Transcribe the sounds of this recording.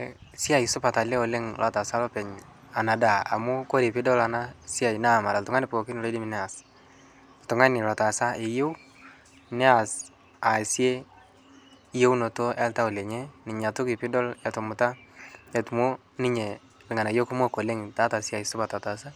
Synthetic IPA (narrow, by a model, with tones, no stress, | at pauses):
sɪ˦a˨i˨sʊ˦pa˨ta˨le˦o˨le˦ŋlʔa˨ta˨sa˦lɔ˦pɛ˨ɲ | a˨na˨da˨a̰˨mʊ˦ko˦ɾi˨pɪ˦dɔ˦la˨na˦sɪ˦a˨jna˦˨ma˨ɾa˨ltʊŋa˦nɪ˦pko˨kɪ˦n˨lɔ˦dɪ˦mi˨nɛ˦a˨s | ltʊ˨ŋa˦nɪ˨la˨ta˨sa˦ɪ˨je˦w | nɛ˦a˨s | a˨sje˦ | je˦wno˨to˦ɛ˦lta˦o˨le˨ɲe˦nɪ˨ɲa˨tʊ˦kɪ˨pɪ˦dɔ˦lɛ˨to˨mʊ˨ta˦ɛ˨tmu˦ | nɪ˦ɲe˨ | lɪ˨ŋa˨na˨jo˦ku˦mo˦ko˨le˦ŋta˦ta˨sɪ˦a˨i˨sʊ˦pa˨ta˨ta˨sa˦